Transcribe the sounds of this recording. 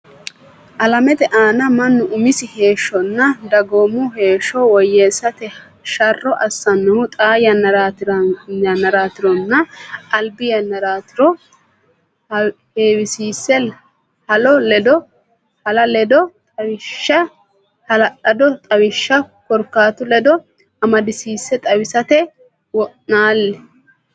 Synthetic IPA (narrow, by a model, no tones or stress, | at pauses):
ʔɐlɐmɛt̪ɛʔaːnɐmɐnːʊʔʊmɪsɪhe̞ːʃːɔnːɐd̪ɐɡoːmʊɦe̞ːʃɔwɔjːeːsːɐt̪ɛ | ʃɐrːɔʔɐsːɐnːɐmʊt̪ʼaːjɐ | ɐnɐɾaːt̪ɪɾɔnːɐʔɐlbɪjɐnɐɾaːt̪ɪɾɔ | heːwɪsiːsːɛ | hɐlɔlɛd̪ɔ | hɐlɐlɛd̪ɔt̪ʼɐwɪʃːɐ | hɐlɐʔɐd̪ɔt̪ʼɐwɪʃːɐkɔɾkːaːt̪ʊlɛd̪ɔ | ɐmɐd̪ɪsiːsːɛt̪ʼɐwɪsɐt̪ɛ | wɔʔnaːlːɛ